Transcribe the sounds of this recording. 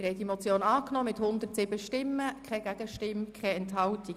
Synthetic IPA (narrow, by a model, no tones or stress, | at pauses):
ɾhɛdimɔt͡sjoːnɑːknɔːmɪthʊnd̪ərtsɪbəʃtɪmːəkχɛɡæɡ̥əʃtɪmkʰχɛɛntɦɑlti